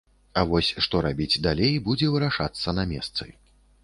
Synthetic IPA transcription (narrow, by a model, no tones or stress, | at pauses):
avɔsʲʂt̪ɔɾabʲid͡zʲd̪alʲejbud͡zʲɛvɨɾaʂat̪sːɐnɐmʲɛst̪sɨ̰